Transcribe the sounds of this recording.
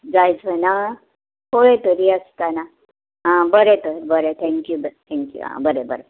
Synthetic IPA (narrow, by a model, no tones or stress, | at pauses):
d͡zajd͡zbəna | hoɭet̪əɾiəst̪ana | ɦãbəɾet̪əɾbəɾet̪ʰɛ̃ŋkjubət̪ʰɛ̃ŋkjṵã̰bəɾebəɾe